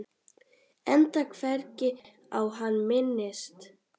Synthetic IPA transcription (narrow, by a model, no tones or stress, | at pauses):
ɛnt̪akʰvɛɾcɪ | awɦanːmɪnːɪst̪